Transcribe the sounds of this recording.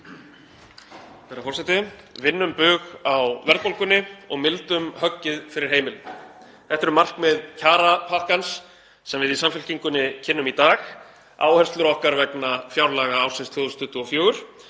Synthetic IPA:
ɛɾafɔrsɛjt̪ɪvɪnːʏmpʏɣawvɛɾð̚powlkʏnːɪɔ̰ɣmɪlt̪ʏmhœcːɪðfɪɾɪɾ̥ɦeːjmɪl | θɛht̪ɛɾʏmar̥kmɪðcʰaːɾapʰahkansː | ɛmvɪðisamfʏl̥ciŋkʏnːɪcʰɪnːʏmit̪aːx | a̰ːwhɛst̪lʏɾɔhkaɾvɛknafjawɾlaːɣaawsɪnst̪ʰjoðʏst̪ʏht̪ʏɔfjoːɣʏɾ̥

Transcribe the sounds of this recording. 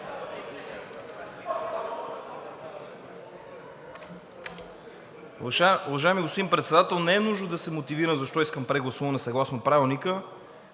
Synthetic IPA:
uvɐʒaɪmiɡospod̪inpɾɛt̪sɛd̪at̪ɛlˠnɛɛnuʒnod̪ɐsɛmot̪iviɾəmzɐʃt̪ɔiskəmpɾɛɡlˠɐsuvɐnɛsɐɡlˠasnopɾavilˠnikə

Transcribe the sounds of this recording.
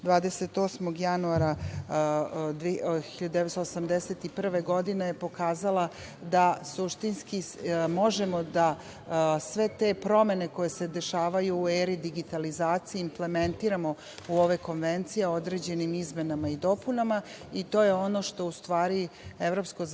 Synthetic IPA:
d̪ʋaːd̪eset̪osmoɡjanuaɾa | d̪xiʎad̪d̪eest̪osamd̪eset̪ipr̩ʋeɡo̞d̪ine̞jepo̞kaːzala | d̪asuʃt̪inskimo̞ʒemo̞d̪a | sʋe̞t̪e̞pɾo̞me̞ne̞ko̞je̞se̞d̪e̞ʃaːʋajuːeːɾid̪iɡit̪alizaːt̪sijiːmple̞ment̪iːɾamo̞ | uoʋeko̞nʋe̞nt̪sijeod̪ɾe̞d͡ʑe̞nimizme̞namaid̪o̞punama | it̪o̞ːje̞o̞no̞ʃt̪o̞ust̪ʋaːɾievɾo̞pskoz

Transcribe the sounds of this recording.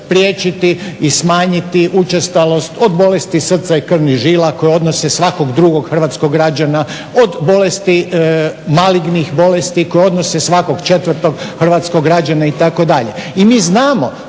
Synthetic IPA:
pɾjet͡ʃit̪iːsmaːɲit̪iʔut͡ʃest̪alo̞st̪o̞d̪bo̞le̞st̪isr̩t̪saikr̩niʒiːlako̞jeo̞d̪nosesʋako̞ɡd̪ɾuɡo̞ɡxr̩ʋaːt̪skoɡɡːɾad͡ʒana | od̪bo̞lest̪i | maliɡnixbo̞lest̪iko̞jeo̞d̪nosesʋako̞ɡt͡ʃe̞t̪ʋrt̪o̞ɡxr̩ʋat̪skoɡɾad͡ʒanait̪ako̞d̪aʎeimiːznaːmo

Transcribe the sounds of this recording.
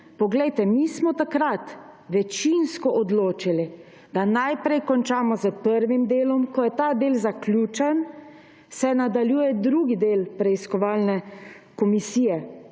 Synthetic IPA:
pɔɡlɛjt̪ɛmiːsmɔt̪akɾat̪ | ʋɛt͡ʃinskɔʔɔd̪loːt͡ʃili | d̪anajpɾɛjkɔnt͡ʃaːmɔzəpəɾʋimd̪eːlɔmkɔjɛt̪aːd̪eːlzaklʲjuːt͡ʃɛn | sɛnad̪aljuːjɛd̪ɾuːɡid̪eːlpɾɛiskɔʋaːlnɛ | kɔmisiːjɛ

